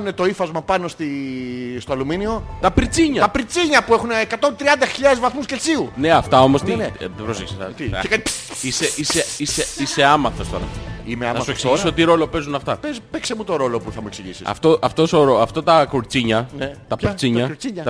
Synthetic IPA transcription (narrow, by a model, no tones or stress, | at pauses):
unet̪o̞ifɐzmɐpɐno̞st̪ist̪oɐluminio̞t̪ɐpɾit͡siɲɐt̪ɐpɾit͡siɲɐpuexuneːkɐt̪o̞nt̪ɾiɐnd̪ɐçiʎɐðezvɐθmuscelt͡siune̞ɐft̪ɐo̞mo̞st̪iðebɾoseçisit̪iekɐiseʔiseiseise̞ɐmɐθost̪o̞ɾɐ̰imeɐnɐsueksiossot̪iɾo̞lo̞pe̞zunɐft̪ɐpezpeksemut̪o̞ɾo̞lo̞puθɐmueksiʝisḭɐ̰ft̪oʔɐft̪osoɾoɐft̪ɐt̪ɐkoɾt͡siɲɐnt̪ɐpt͡siɲɐɾt͡siɲɐt̪